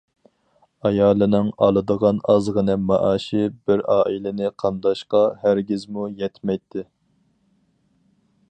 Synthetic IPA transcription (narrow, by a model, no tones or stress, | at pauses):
ɑjɑːlˠɨnɨŋɑlˠɨd̪əʁɑnɑzʁənɨmɑʔɑːʃɪbɪɾɑːʔilɪnɪqʰɑnd̪ɑʃqɑhæɾɡʲɪzmujɛt̪mɛjt̪ʰːɪ